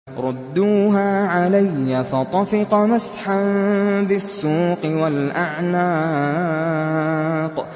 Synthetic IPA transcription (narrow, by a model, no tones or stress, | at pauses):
ɾˤʊd̪ːuːɦaːʕalajːafɑt̪ˤɑfɪqɑmasħanbɪsːuːqɨwalʔaʕnaː | q